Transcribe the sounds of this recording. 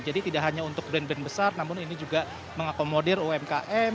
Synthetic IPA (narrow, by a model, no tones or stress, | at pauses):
d͡ʒadit̪idaʔɦaɲaunt̪ʊk̚bɾɛnbɛnbəsarnamʊninid͡ʒuɡa | məŋakomodɪroɛmkaʔɛ